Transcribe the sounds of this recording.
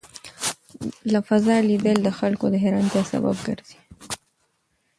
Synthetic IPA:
lafazɑlibeld̪əxalkod̪əɦeɾant̪jɑsa̰ba̰b̚ɡə̰ɾz̥i̥

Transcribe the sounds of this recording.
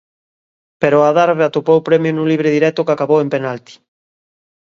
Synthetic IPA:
peɾoaðaɾβeat̪opowpɾɛmjonũliβɾeðiɾɛt̪ʊkakaβowempenalt̪i̥

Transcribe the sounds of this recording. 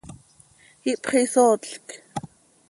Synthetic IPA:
iʔpχisoːt͡ɬk

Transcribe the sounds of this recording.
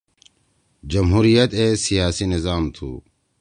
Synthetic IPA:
d͡ʒɐmɦuːɾijət̪eːsijaːsinɪzaːmt̪ʰṵː

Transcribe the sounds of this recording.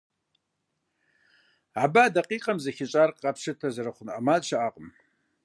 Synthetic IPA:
abadɐqʼiːqʼɐmzɐxɪɕʼaːrqɐpʃɨtʰɐzɐɾɐχʷʊnʔɐmaːzʃaʔaːqʼəm

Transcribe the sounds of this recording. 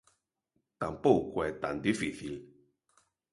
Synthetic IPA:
t̪ampokwɛt̪a̰nd̪ifiθil

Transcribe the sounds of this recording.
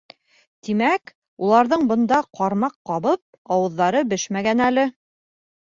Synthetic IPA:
t̪imæk | ulˠɑɾðɤɴbɤ̆nd̪ɑqɑɾmɑqːɑβɤp̚ | ɑwɤ̆ðːɑɾɤbɘʃmæɡænælɘ

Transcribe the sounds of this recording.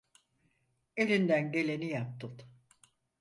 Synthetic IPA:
e̞lʲind̪ænɟe̞lʲe̞nijap̚t̪ʰɯt̪

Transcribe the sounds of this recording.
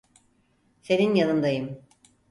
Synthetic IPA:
se̞ninjanɯnd̪ajɯm

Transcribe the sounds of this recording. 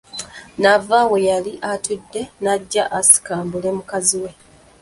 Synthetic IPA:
navawe̞jaliʔatudːe̞naɟːaʔasi̥kaːmbule̞mukaziwe̞

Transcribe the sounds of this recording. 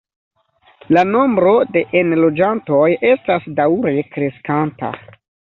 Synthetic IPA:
lano̞mbɾo̞de̞ʔenlo̞d͡ʒanto̞je̞stasdawɾe̞kɾe̞skanta̰

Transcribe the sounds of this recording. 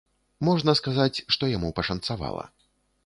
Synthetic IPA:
mɔʐnɐskazat͡sʲʂt̪ɔjamupɐʂɐnt̪sava̰lˠɐ̰

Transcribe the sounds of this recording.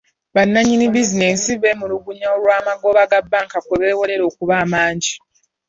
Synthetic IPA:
βanːaɲinibizine̞siβemuluɡuɲaoɾwaːmaɡo̞βaɡabːaːŋkakweβe̞ːwo̞le̞ɾo̞ːkuβaːmaːɲɟi

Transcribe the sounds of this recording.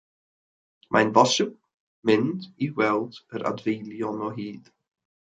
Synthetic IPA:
mʔa̰nvɔsɪb̚ | mɪndiwɛlˠdəɾʔa̰dvejlˠjɔnɔɦiːð̥

